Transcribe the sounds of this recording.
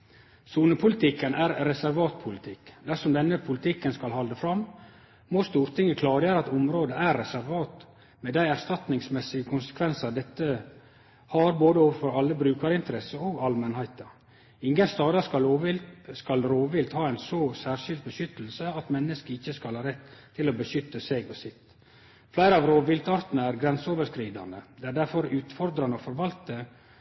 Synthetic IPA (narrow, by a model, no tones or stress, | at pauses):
suːnəpʰʊlɪt̪ʰɪkːənʔæːɾɾɛsæɾʋɑːt̪̚pʰʊlɪt̪ʰɪkːd̪æʂɔmd̪ɛnːəpʰʊlɪt̪ʰɪkːənskɑlɦɑld̪əfɾɑm | moːst̪uːɾt̪ʰɪŋːəkʰlɑːɾjøːɾəɑt̪ʊmɾoːd̪əæɾːɛsæɾʋɑːt̪ | med̪æɪæɾst̪ɑt̪nɪŋsmɛsɪɡəkʰʊnsə̥kʰʋɛnsɑd̪ɛt̪ːə | hɑɾboːd̪əoːʋəfɔɾɑlːəbɾʉːkɑɾɪnt̪əɾɛsəoːɡɑlmənhæɪt̪ə | ɪŋɡənst̪ɑːd̪ɑkɑloːʋɪskɑlɾoːʋɪlt̪hɑːæɪnsosæːɾʂɪld̪̚bəʃʏt̪ːl̩səɑt̪mɛnːəskəɪçːəskɑlhɑːɾɛt̪ʰː | ɪloːbəʃʏt̪ːəseɡɔsɪt̪ | flæɪɾəɑʋɾoːʋɪlt̪ɑɾt̪nəæɾɡɾɛnsəoːʋəɾʂkɾiːd̪ɑ̰nd̪əd̪ɛːæɖæɾfɔɾʉːt̪fɔɾd̪ɾɑnəofɔɾʋɑlt̪ə